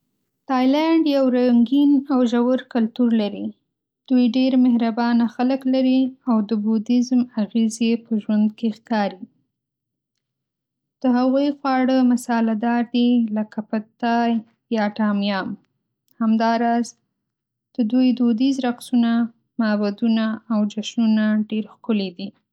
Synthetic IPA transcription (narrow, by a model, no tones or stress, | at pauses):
t̪ɑjlaɳɖjawɾaŋɡinawʒawəɾkalt̪uɾlaɾi | d̪̥ujɖeɾmɪhɾabɑnaxaləklaɾiawd̪əbud̪ɪzmaɣezepəʒwand̪kexkɑɾi | d̪̥əɦaɣujxwɑɽəmasɑlad̪ɑɾd̪ilakapət̪ɑj | jɑʈɑmjɑm | hamd̪ɑɾɑz | d̪̥əd̪ujd̪od̪izɾaqsuna | mabad̪unaːwd͡ʒaʃnunaɖeɾxkʊled̪i